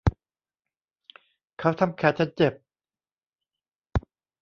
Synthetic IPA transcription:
kʰa˦˥wt̪ʰa˧mkʰɛː˨˩t͡ɕʰa˦˥n̚t͡ɕe˨˩p̚

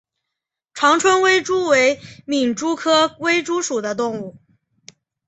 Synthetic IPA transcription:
ʈ͡ʂʰwɑ˧˥ŋʈ͡ʂʰwə˥nwe˥ɪʈ͡ʂu˥we˧˥ɪmi˨˩ŋʈ͡ʂu˥kʰɤ˥we˥ɪʈ͡ʂu˥ʂu˨˩d̪ə˦t̪̬ʊ˥˧ŋu˥˩

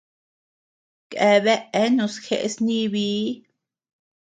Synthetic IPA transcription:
kʔe˨βe˦ʔe˦nũ˧sxḛ˦˧ʔsnĩ˦βiː˦

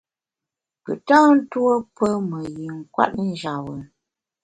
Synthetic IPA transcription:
pə̰˨ta˦n̩˦two˦pə˦mə˨ɣi˨ŋ̩˨kwa̰˦t̚n̩˦d͡ʒa˨wə˨

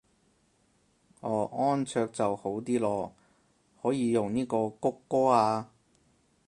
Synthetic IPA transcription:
ɔː˨˩ɔː˥nt͡sʰœː˧k̚t͡sɐ˨who˨˥wt̪iː˥lɔː˧ | hɔː˨˥jiː˨˧jʊ˨ŋniː˥kɔː˧kʊ˥kːɔː˥aː˧

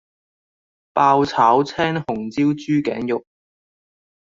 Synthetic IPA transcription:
paː˧wt͡sʰaː˨˥wt͡sʰɛː˥ŋhʊ˨˩ŋt͡siː˥wt͡ʃyː˥kɛ̰ː˨˥ŋjʊ˨k̚

